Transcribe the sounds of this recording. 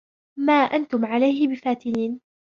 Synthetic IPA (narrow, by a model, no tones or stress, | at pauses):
maːʔant̪ʊmʕalajhɪbɪfaːt̪ɪniːn